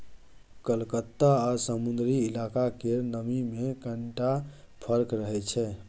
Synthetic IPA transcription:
kəlkət̪ːaasəmund̪ɾiilakakenəmimekəɳʈa | pʰəɾkɾəɦɛt͡ʃʰɛ

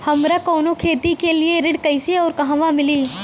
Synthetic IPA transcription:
hɐmɾɐkɔːnõkʰeːt̪ikelieɾɪɽkɐɪseɔːɾkɐɦãʋãmɪliː

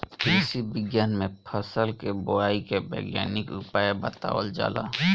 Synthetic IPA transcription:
kiːsibɪɡjaːnmẽpʰəsəlkebʊaːikebɛ̰ːɡja̰ːnɪkʊpaːebət̪a̰ːwə̰ld͡ʒa̰ːla̰ː

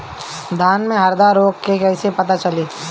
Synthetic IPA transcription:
d̪ʱaːnmẽɦɐɾd̪aːɾoːkkekɛːsepɐt̪at͡ʃɐliː

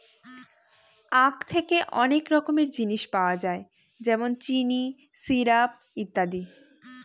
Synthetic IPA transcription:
ãkt̪ʰekeʔɔnekɾɔkomeɾd͡ʑiniʃpaoad͡ʑae | d͡ʑɛmont͡ɕini | siɾap̚it̪ːad̪i

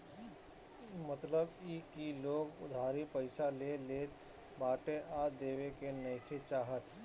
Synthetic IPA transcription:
mɐt̪ləbiːkiloːɡʊ̰d̪ʱaːɾipəɪsaleːleːt̪ | baːʈeʔaːd̪eːʋekenɐjkʰet͡ʃaːɦət̪

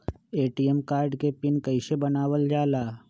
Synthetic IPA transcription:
eːʈijemkaːɾɖkepɪnkɐɪʃebɐnaːʋəld͡ʒaːlaː

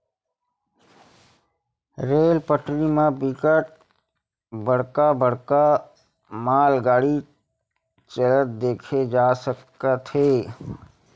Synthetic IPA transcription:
ɾeːlpəʈlimãbɪkəʈ̚ | bəɽ̤kabəɽ̤ka | maːlɡaːɽi | t͡ʃələt̪̚d̪eːkʰed͡ʒaːsəkː | at̪ʰeː

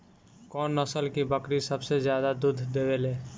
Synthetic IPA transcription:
kɔːnːəsəlkibəkɾisəbsezjaːd̪ad̪ud̪ʱd̪eːweleː

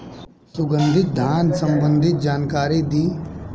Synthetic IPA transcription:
sʊɡə̃nd̪ʱɪt̪̚d̪ʱjaːnsə̃mbə̃nd̪ʱɪt̪̚d͡ʒaːnkaːɾid̪iː

